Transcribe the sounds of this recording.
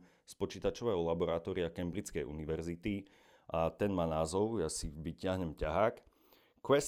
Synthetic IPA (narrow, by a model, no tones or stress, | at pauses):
spɔt͡ʃiːt̪at͡ʃɔʋɛːɦɔlabɔɾat̪ɔɾiakɛmbɾit͡skɛjʔṵniʋɛɾzit̪i | at̪ɛnmaːnaːzɔʊjasiʋicɪaɦɲɛmcaɦaːk | kʋɛs